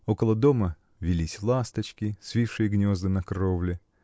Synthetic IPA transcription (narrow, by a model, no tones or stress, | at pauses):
o̞kəlˠəd̪omə | vʲɪlʲisʲlˠast̪ət͡ɕkʲɪsʲvʲifʂɨjəɡnʲozd̪ɨnɐkrovlʲɪ